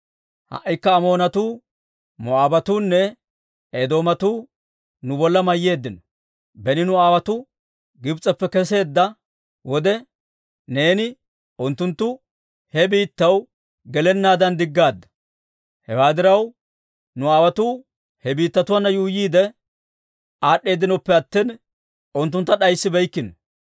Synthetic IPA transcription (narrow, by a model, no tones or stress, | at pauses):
hɐ̰ʔjkːɐːmo̞ːnɐt̪uː | mʊaːbɐt̪uːnːɛ | ed̪o̞ːmɐt̪uː | nʊbɔlːɐmɐjːe̞ːd̪ːɪnɔ | bɛnɪnʊaːwɐt̪ʊ | ɡɪbt͡sʼːɐpːɛkɛs̬e̞ːd̪ːɐ | wɔd̪ɛ | ne̞ːnɪ | ʔʊnt̪ːʊnt̪ːʊ | hɛbiːt̪ːɐw | ɡɛlɛnːaːd̪ɐnd̪ɪɡːaːd̪ːɐ̥ | hɛwaːd̪ɪɾɐw | nʊaːwɐt̪uː | hɛbiːt̪ːɐt̪ʊwɐnːɐjuːjiːd̪ɛ | aːɗːe̞ːd̪ːɪnɔpːɛɐt̪ːiːn | ʔʊnt̪ːʊnt̪ːɐɗɐjsːɪbɛjkːɪnɔ